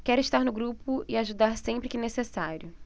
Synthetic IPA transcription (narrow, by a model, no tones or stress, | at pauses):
kɛɾʊɪiʃt̪aɾnʊɡɾupʊɪaʒud̪aɾsẽmpɾɪkɪnesesaɾʲjʊ